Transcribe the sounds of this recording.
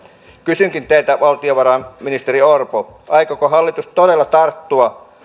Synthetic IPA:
kysyŋkint̪eit̪æʋɑlt̪ioʋɑɾɑnminist̪eɾiorpoʔɑikokoɦɑlːit̪ustt̪odelːɑt̪ɑrt̪ːuɑ

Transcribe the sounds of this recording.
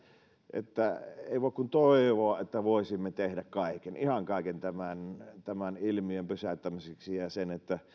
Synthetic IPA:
ʔḛt̪ːæḛˑiʋoˑekkunt̪oˑeʋoɑʔet̪ːæʋoˑesimːet̪ehdækkɑˑikenihɑŋkɑˑikent̪æmænt̪æmænilmiømpysæt̪ːæmiseksijɑsenet̪ːæ

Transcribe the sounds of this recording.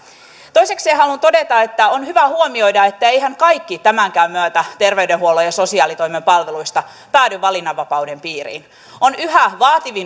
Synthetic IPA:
t̪oise̞kseːhɑlunt̪o̞det̪ɑet̪ːæonhyʋæhuomio̞jdɑe̞t̪ːæejɦæŋkɑjkːit̪æmæŋkæːmmyøt̪æt̪erʋeydeɦuolojɑso̞siɑːlit̪oimempɑlʋeluist̪ɑ | pæːdyʋːɑlinːɑʋːɑpɑudempiːrḭːn | onyɦæʋɑːt̪iʋin

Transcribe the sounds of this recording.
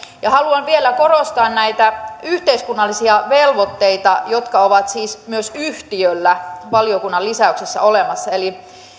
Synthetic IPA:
jɑhɑluɑnʋielækorost̪ɑːnnæit̪æyht̪eiskunːɑlːisiɑʋelʋot̪ːeit̪ɑjot̪kɑoʋɑt̪siːsmyøsyht̪iølːæʋɑliokunːɑlisæyksesːæ̰olemɑsːɑeli

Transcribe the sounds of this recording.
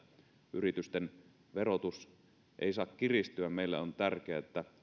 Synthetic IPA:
ʔyrit̪yst̪en | ʋerot̪us | ʔḛˑisɑːkkirist̪yæmeilːæont̪ærk̟eæet̪ːæ

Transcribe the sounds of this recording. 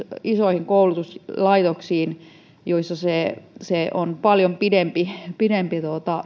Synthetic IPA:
isoˑihiŋkoulut̪uslɑit̪oksiːn | joisːɑseˑseʔonpɑljompidempipidempit̪uot̪ɑ

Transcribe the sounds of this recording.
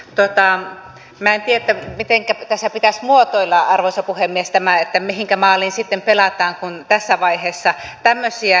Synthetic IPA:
t̪ot̪ɑ | mæent̪ieet̪ːæmit̪eŋkæt̪æsːæpit̪æsmuot̪oilːɑɑrʋosɑpuhemːiest̪æmæet̪ːæmihiŋkæmɑːlinsit̪ːempelɑt̪ɑːŋkunt̪æsːæʋɑiheːsːɑt̪æmːøsiæ

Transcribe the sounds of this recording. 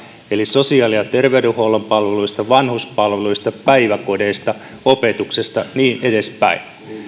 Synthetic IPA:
eliso̞siɑːliɑt̪erʋeyduhowlompɑlʋeluist̪ɑʋɑnhuspɑlʋeluist̪ɑpæiʋæko̞deːst̪ɑ | ope̞t̪uksest̪ɑniːnedespæ̰in

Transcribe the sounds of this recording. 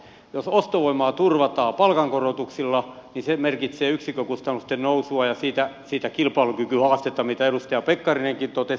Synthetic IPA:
josost̪oʋoimɑːt̪urʋɑt̪ɑːpɑlkɑŋkorot̪uksilːɑnisemerkit̪seːyksikøkust̪ɑnːust̪ennousuɑjɑsiːt̪æsiːt̪ækilpɑilukykyhɑːst̪et̪ːɑmit̪æeɾust̪ɑjɑpekːɑrineŋkint̪ot̪e

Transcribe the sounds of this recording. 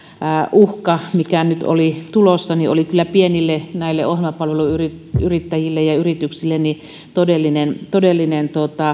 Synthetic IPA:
ʔuhkɑmikænyt̪o̰lit̪ulosːɑniʔo̰likylːæpienilːenæˑilːḛʔohĭlmɑpɑlʋeluyrit | yrit̪ːæjilːejɑyrit̪yksilːenni | t̪odelːinent̪odelːinent̪ot̪ɑ

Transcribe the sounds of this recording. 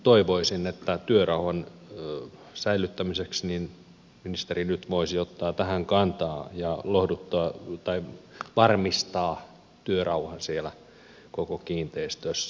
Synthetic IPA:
t̪oiʋoisinet̪ːæt̪yørɑuhɑn | sæilyt̪ːæmiseksnin | minist̪erinyt̪ʋoisiot̪ːɑːt̪æhæŋkɑnt̪ɑːjɑlohdut̪ːoɑt̪ɑiʋɑrmist̪ɑː | t̪yørɑuhɑnsielæ | kokokiːnt̪eist̪øsːæ

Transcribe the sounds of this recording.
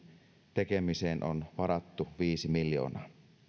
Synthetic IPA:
t̪ekemiseːnʔonʋɑɾɑt̪ːuʋiːsimiljo̰ːnɑː

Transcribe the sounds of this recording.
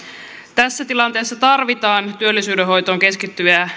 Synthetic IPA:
t̪æsːæt̪ilɑnt̪e̞ːsːɑt̪ɑrʋit̪ɑːnt̪yølːisyːdeɦo̞jt̪o̞ːŋke̞skit̪ːyjæ

